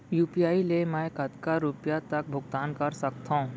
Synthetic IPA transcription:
juːpiaːilemɛ̃kɐt̪kaɾupjat̪ɐk̚bʱʊɡt̪aːnkɐɾsɐkt̪aũ

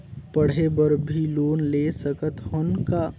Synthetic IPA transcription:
pəɽ̤ebəɾbʱiloːnlesəkət̪hʊnka

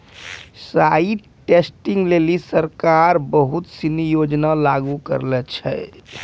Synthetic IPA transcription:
sai | ʈesʈiŋɡlelisəɾkaɾbəɦut̪sinijod͡ʒnalaɡukə̰ɾlɛt͡ʃʰɛ̰

